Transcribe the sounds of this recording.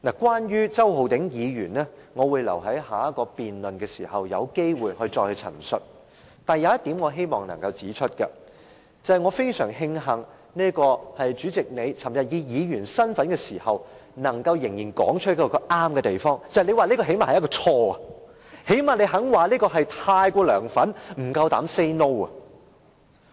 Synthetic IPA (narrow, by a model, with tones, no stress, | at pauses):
naː˨˩kwaː˥njyː˥t͡sɐ˥wɦo˨wt̪ɪ˨˥ŋjiː˨˧jyː˨˩nnɛː˥ŋɔː˨˧wuː˨˧jlɐ̰˨˩wɦɐ˨˥jhaː˨˥jɐ˥t̚kːɔː˧piː˨nlɵ˨nkɛː˧siː˨˩hɐ˨wjɐ̰˨˧wke˥jwuː˨jhɵ˧jt͡sɔː˧k̚hɵ˧jt͡sʰɐ̰˨˩nsɵ̰˨t̚ | t̪aː˨njɐ˨˧wjɐ˥t̪i˨˥mŋɔː˨˧ɦe˥jmɔː˨˩ŋnɐ̰˨˩ŋkɐ˧wt͡siː˨˥t͡ʃʰɵ˥t̚kɐ˧ | t͡sɐ˨˩hɐ˨jŋɔː˨˧fe˥jsœː˨˩ŋɦɪ˧ŋɦɐ˨˩ŋ | niː˥kɔː˧hɐ˨jt͡ʃyː˨˥t͡sɪ˨k̚ne˨˧jt͡sʰɐ˨˩mjɐ˨t̚jiː˨˧jiː˨˧ɥyː˨˩nsɐ˥nfɐ˨˥nkɛː˧siː˨˩hɐ˨wnɐ˨˩ŋkɐ˧wjɪ˨˩ŋjiː˨˩nkɔ̰ː˨˥ŋt͡ʃʰɵ˥jɐ˥kːɔː˧kɔ˧ʔaː˥mkɛ˧t̪e˨jfɔː˥ŋt͡sɐ˨hjne˨˧jwa˨liː˥kɔː˧ɦe˨˥maː˨˩hjkɔ˧t͡ʃʰɔː˧ɐ˨ | he˨˥jmaː˨˩ne˨˧jɦɐ˨˥ŋwaː˨liː˥kɔː˧ɦɐ˨jt̪ʰaː˧jkʷɔː˧lœː˨˩ŋfɐ˨˥nm̩˨˩kɐ˧wt̪aː˨˥mse˥jno˥wɐ˨